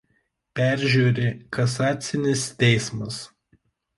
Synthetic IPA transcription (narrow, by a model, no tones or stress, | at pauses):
pʲæˑɾʲʒʲuːɾʲeːkɐsɑːt̪sʲɪnʲɪst̪ʲɛɪsmɐs